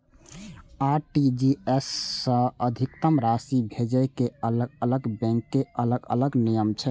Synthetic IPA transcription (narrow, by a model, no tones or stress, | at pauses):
aɾʈid͡ʒiesːə̃əd̪ʱikt̪əmɾasibʱed͡ʒəjkeələɡələɡbɛ̃ŋkːeələɡə̰ləɡnijəmt͡ʃʰɛ